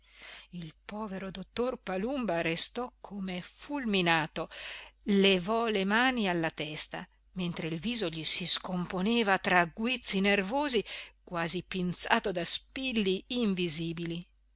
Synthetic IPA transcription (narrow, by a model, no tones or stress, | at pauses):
ilpɔːveɾod̪ot̪ːorpalumbaɾest̪ɔkʰːomefulminaːt̪olevɔlemaːnialːat̪ɛst̪a̰ | ment̪ɾeilviːzoʎisiskomponeːvat̪ɾaɡwit̪sːinervoːzikwaːzipinsaːt̪od̪aspilːiːɱviziːbili